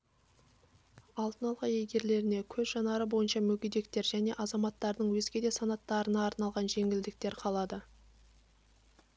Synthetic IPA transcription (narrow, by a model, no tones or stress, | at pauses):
ɑlˠt̪ənɑlˠʁɑjejɡʲe̞ɾle̞ɾɪne̞kʲʰɵzʒɑnɑɾəbo̞jənʃɑmɵkʲijd̪e̞kt̪e̞ɾʒæne̞ʔɑzɑmɑt̪ːɑɾd̪əɴwɵzɡʲe̞d̪e̞sɑnɑt̪ːɑɾənɑːɾnɑlˠʁɑnʒe̞ŋʲɪld̪ɪk̚t̪e̞ɾqʰɑlˠɑd̪ə